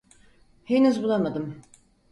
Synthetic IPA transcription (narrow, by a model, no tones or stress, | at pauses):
henuzbulˠamad̪ɯm